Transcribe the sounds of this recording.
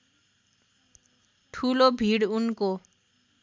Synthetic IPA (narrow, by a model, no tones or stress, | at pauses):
ʈʰulobʱiɾunko